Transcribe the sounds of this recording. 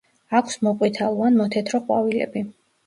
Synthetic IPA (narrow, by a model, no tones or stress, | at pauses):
akʷʰsmɔqʼwit̪ʰalˠuanmɔt̪ʰɛt̪ʰɾɔqʼwa̰vilɛ̰bi